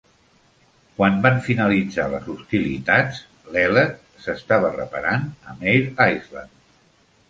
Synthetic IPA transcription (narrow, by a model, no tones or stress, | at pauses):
kwanbanfinəlid͡zalə̰zust̪ilit̪at͡s | lɛlət̪̚ | səst̪aβərə̰paɾanəmejɾajzla̰n